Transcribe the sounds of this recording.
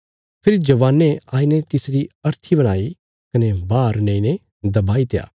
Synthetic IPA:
pʰɪɾid͡ʒɐʋaːneaːinet̪ɪsɾiɐɾt̪ʰibɐɽ̃aːi | kɐnebaːɾnẽĩne | d̪ɐbaːit̪eja̰ː

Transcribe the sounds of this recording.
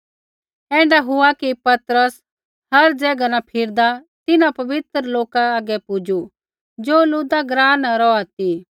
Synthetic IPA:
ɛ̃ːɳɖaɦʊakipɐt̪ɾəs | hɐɾd͡ʒɛːɡanãpʰɪɾd̪a | t̪ɪnãpɐʋɪt̪ɾəloːkaːɡɛpʊd͡ʒu | d͡ʒoːluːd̪aɡɾaːnaɾɔat̪i

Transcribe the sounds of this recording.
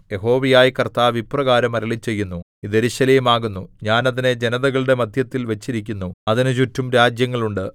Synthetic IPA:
je̞ɦo̞ːʋijaːjikɐrt̪aːʋiprɐɣaːɾɐmɐɾɐɭit͡ɕːe̞jːunːu | iðeɾuɕɐleːmaːɣunːuɲaːnɐðine̞d͡ʑe̞nɐðɐɣɐɭɨɽe̞mɐd̪ʱjɐt̪ːilʋɐt͡ɕːiɾikʲːunːuɐðinɨt͡ɕutʰːumɾaːd͡ʑjɐŋːɐɭuɳɖɨ

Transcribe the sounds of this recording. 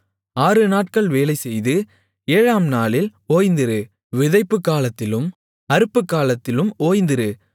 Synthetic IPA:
aːɾɯnaːʈ̚kɐɭʋeːlɐɪsɛjðɯ | eːɻaːmnaːlɪloːjnd̪ɪɾɯ | ʋɪðɐɪpːɯkːaːlɐt̪ːɪlɯm | ɐɾɯpːɯkːaːlɐt̪ːɪlɯmoːjnd̪ɪɾɯ

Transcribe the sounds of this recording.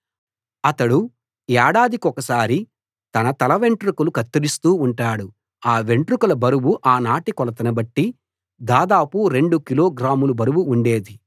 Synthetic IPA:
ɐt̪ɐɽu | ɛːɽaːd̪ikɔkɐsaːɾi | t̪ɐnɐt̪ɐlɐʋe̞ɳʈɾukulukɐt̪ːɐɾist̪uːɳʈaːɽu | aːʋe̞ɳʈɾukulɐbɐɾuwuʔaːnaːʈikɔlɐt̪ɐnɐbɐʈːi | d̪aːd̪aːpuɾe̞ɳɖukilo̞ːɡɾaːmulubɐɾuwuːɳɖe̞ːd̪i

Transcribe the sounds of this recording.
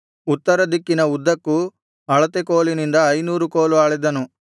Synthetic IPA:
ut̪ːɐɾɐd̪ikːinɐud̪ːɐkːu | ɐɭɐt̪ekoːlinind̪ɐɐjnuːɾukoːluaːɭid̪ɐnu

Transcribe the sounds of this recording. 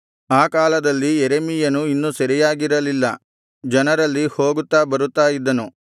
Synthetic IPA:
aːkaːlɐd̪ɐlːieɾemijɐnuinːusɐɾijaːɡiɾɐlilːɐ | d͡ʒɐnɐɾɐlːiho̞ːɡut̪ːaːbɐɾut̪ːaːjid̪ːɐnu

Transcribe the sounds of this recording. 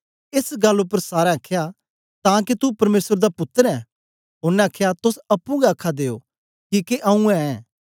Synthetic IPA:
ɪsɡɐlːʊpːəɾsaːɾẽɐkʰja | t̪ãːk̬it̪upɐɾmeːsəɾd̪apʊt̪ːəɾɛ | ɦʊɾnɛ̃ɐkʰːjat̪ʊsɐpːũɡɛɐkʰːad̪eːo̰ː | kiːkeʔɐ̃ũɛ̃ɛ̃ː

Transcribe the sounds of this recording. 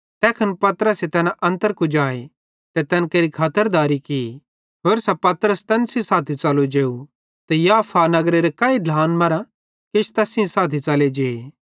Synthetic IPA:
t̪ɛːkʰɐnpɐt̪əɾəset̪ɛːnaʔɐ̃nt̪əɾkud͡ʒaːe | t̪et̪ɛnkeɾikʰaːt̪əɾd̪aːɾiki | ɦoːɾsɛpɐt̪ɾəst̪ɛnsĩsaːt̪ʰit͡ʃɐlud͡ʒeːu | t̪ejaːpʰanɐɡɾeɾekɐːiɖʱaːnmɐɾã | kɪt͡ʃʰt̪ɛːsĩsaːt̪ʰit͡ʃɐled͡ʒeːe

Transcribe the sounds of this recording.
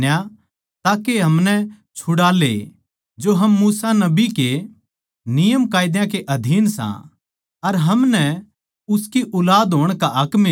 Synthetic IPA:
ja | t̪aːkeɦɐmnɛ | t͡ʃʰʊɽaːlḛ | d͡ʒoɦɐmːuːsanɐbike | nɪjəmkaːɪd̪jãkeʔɐd̪ʱiːnsã̰ | ɐɾɦɐmnɛ | ʊskiʔʊlaːd̪ɦoːɽ̃kaʔɐkmɪ

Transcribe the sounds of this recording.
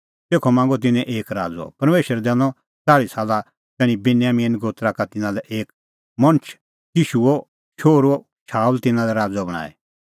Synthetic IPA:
t̪eːkʰɔmãːŋɡɔt̪̬ɪnɛ̃ʔeːkɾa̰ːd͡zɔ̰pɐɾmeːʃəɾd̪ɛːnɔ̃ | t͡saːɽisaːla | t̪ɛːɽ̃ĩbɪnjaːmiːnɡoːt̪ɾakat̪ɪnãlɛʔeːk̚ | mɐ̃nt͡ʃʰ | jiːʃuɔ | ʃoːɾɔ | ʃʰaːult̪ɪnãlɛɾaːd͡zɔbɐɽ̃a̰ːɛ̰

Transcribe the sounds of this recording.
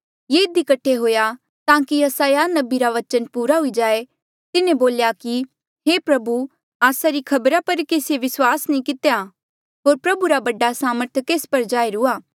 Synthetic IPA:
jeːɪd̪ikɐʈʰeɦoːja | t̪ãːkijɐsaːjanɐbiɾaʋɐt͡ʃənpuːɾaɦʊid͡ʒaːe | t̪ɪnẽboːljaki | ɦeːpɾɐbu | aːsaɾikʰɐbɾapɐɾkeːsieʋɪswaːsnĩkɪt̪ja | ɦoːɾpɾɐbuɾabɐɖasaːməɾt̪ʰkeːspɐɾd͡ʒaːeɾʊaː

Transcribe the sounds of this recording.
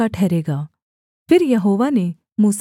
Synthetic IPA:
aʈʰɛːɾeːɡaː | pʰɪɾjɐɦoːʋane | muːs

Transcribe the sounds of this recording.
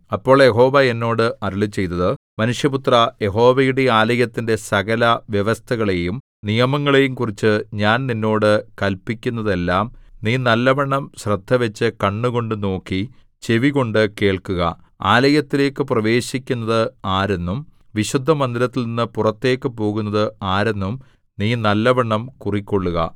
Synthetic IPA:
ɐpːo̞ːɭjeɦo̞ːʋɐe̞nːo̞ːɽɨʔɐɾuɭɨt͡ɕːe̞jt̪ːɐðɨ | mɐnuʂjɐput̪rɐje̞ɦo̞ːʋɐjuɽe̞aːlɐjɐt̪ːinde̞sɐɣɐlɐʋjeʋɐst̪ʰɐɣɐɭe̞jum | nijɐmɐŋːɐɭe̞jumkurit͡ɕːɨɲaːnninːo̞ːɽɨkɐlpːikʲːunːɐðe̞lːaːmniːnɐlːɐbɐɳːɐmɕrɐd̪ʱːɐʋɐt͡ɕːɨkɐɳːuɣo̞ɳɖɨno̞ːkːi | t͡ɕe̞ʋiɣo̞ɳɖɨke̞ːɭkuɣɐ̰ | aːlɐjɐt̪ːile̞ːkːɨprɐʋe̞ːɕikʲːunːɐðɨaːɾe̞nːum | ʋiɕud̪ʱːɐmɐnd̪ilɐt̪ːilninːɨpurɐt̪ːe̞ːkːɨpo̞ːɣunːɐðɨaːɾe̞nːum | niːnɐlːɐbɐɳːɐmkurikʲːo̞ɭːuɣɐ̰

